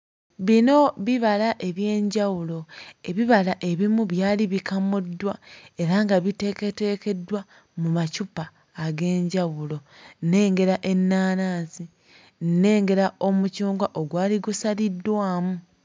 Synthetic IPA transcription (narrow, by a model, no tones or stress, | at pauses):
βino̞βiβalaʔe̞βje̞ːɲɟawulo̞e̞βiβalaʔe̞βimuβjaːliβikamudːwae̞ɾaŋɡaβite̞ke̞te̞ːke̞dːwa | mumacupaː | ɡe̞ːɲɟawulo̞nːe̞ːŋɡe̞ɾaʔe̞nːaːnaːnsi | nːe̞ːŋɡe̞ɾao̞mucuːŋɡwaʔo̞ɡwaːliɡusalidːwaːmu